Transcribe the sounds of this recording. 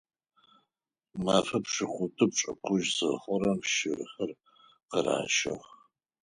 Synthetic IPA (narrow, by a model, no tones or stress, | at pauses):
maːfɐpʂɨχʷʊtʰʼɨp̚t͡ʃʼɐ̰qʷʊʒzɨχʷɔɾɐmʃɪrɨxɐr | qəra̰ːʃɐ̰ʁ